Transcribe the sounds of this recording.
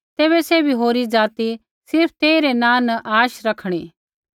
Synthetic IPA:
t̪eːbɛsɛbʱiɦoːɾid͡zaːt̪i | sɪɾp̚ʰt̪eːiɾenãːnɐʔaːʃɾɐkʰɽ̃iː

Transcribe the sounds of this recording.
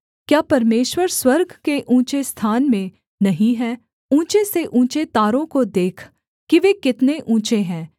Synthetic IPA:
kjaːpɐɾmeːʃwəɾswɐɾɡʱkeʔũːt͡ʃest̪ʰaːnmẽ | nɐɦĩɦɛː | ũːt͡ʃeseʔũːt͡ʃet̪aːɾõkod̪eːkʰ | kiʋekɪt̪neʔũːt͡ʃeɦɛ̃ː

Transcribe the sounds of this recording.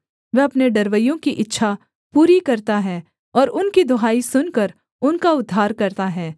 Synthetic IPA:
ʋɛɐpneɖɐɾʋəjõkiʔɪtːʃʰa | puːɾikɐɾt̪aɦɛː | ɔːɾʊnkid̪ʊɦaːisʊnkɐɾ | ʊnkaʊd̪ʱːaːɾkɐɾt̪aɦɛː

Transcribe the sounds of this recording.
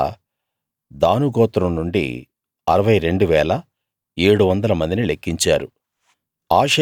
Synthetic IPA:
d̪aːnuɡɔːt̪ɾɐmnuɳɖḭ | ɐɾɐʋɐjɾe̞ɳɖuʋɛːlɐ | e̞ːɽuʋɐnd̪ɐlɐmɐnd̪inilekːiɲt͡ʃaːɾu | aːʂ

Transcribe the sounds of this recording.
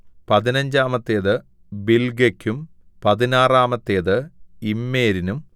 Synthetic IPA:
pɐðinɐɲd͡ʑaːmɐt̪ːeːðɨ | bilɡekʲːum | pɐðinaːraːmɐt̪ːe̞ːðɨimːeːɾinum

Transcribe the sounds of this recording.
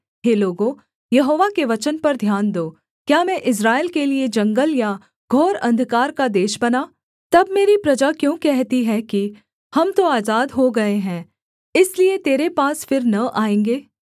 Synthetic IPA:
ɦeːloːɡõ | jɐɦoːʋakeʋɐt͡ʃənpɐɾd̪ʱjaːnd̪oː | kjaːmɛ̃ʔɪs̬ɾaːeːlkelied͡ʒɐ̃ŋɡəlja | ɡʱoːɾɐ̰̃nd̪ʱkaːɾkad̪eːʃbɐnaː | t̪ɐbmeːɾipɾɐd͡ʒakjõːkɛɦt̪iɦɛki | hɐmt̪oaːzaːd̪ɦoɡɐeɦɛ̃ː | ɪsliet̪eːɾepaːsfɪɾnɐʔaːẽːŋɡeː

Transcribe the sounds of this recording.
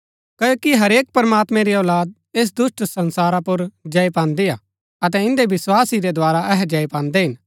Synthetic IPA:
kɐːjoːkiɦɐɾeːk̚pɐɾɐmaːt̪mɛ̃ɾiɔːlaːd̪̚ | eːs̬d̪ʊsʈsɐ̃nsaːɾapʊɾd͡ʒɐːepãːnd̪ea | ɐt̪̬ɛɪ̃nd̪ebɪswaːsiɾɛd̪ʱoaːɾaɛɦɛd͡ʒaːipãːnd̪eɦɪn

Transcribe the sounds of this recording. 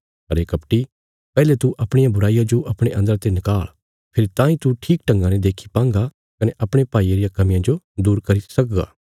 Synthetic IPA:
ɦɐɾeːkɐpʈi | pɛːlet̪uʔɐpɽ̃ɪjãbʊɾaːijad͡ʒoʔɐpɽ̃eʔɐ̃nd̪əɾat̪enɪkaːɭ | pʰeɾit̪ãːĩt̪uʈʰiːkʈɐ̃ŋɡãned̪eːkʰi̥pãːŋɡa | kɐnɛʔɐpɽ̃epaːieɾijakɐmɪ̃jãd͡ʒo | d̪uːɾkɐɾisɐkɡa̰ː

